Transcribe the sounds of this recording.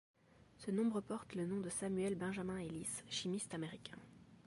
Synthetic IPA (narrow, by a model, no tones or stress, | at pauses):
sənɔ̃bʁəpɔʁt̪lənɔ̃d̪əsamyɛlbɛ̃ʒamɛ̃elisʃimist̪ameʁikʲʰɛ̰̃